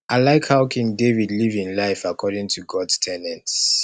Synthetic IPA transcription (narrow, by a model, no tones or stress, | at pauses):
ʔaɪlaɪkhaʊkʰĩŋdevidlivĩnlaɪfakʰɔɾĩŋtʰuɡɔdstʰɛnɛ̃nts